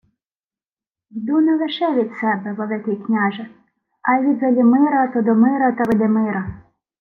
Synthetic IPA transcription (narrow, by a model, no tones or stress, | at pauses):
d̪unɛlˠeʃɛʋʲid̪sɛbɛʋɔlˠɪk̪ɪjknʲaʒɐ | ɐjʋʲid̪zɐlʲimɪɾɐt̪ɔd̪ɔmɪɾɐt̪ɐʋɪd̪emɪɾɐ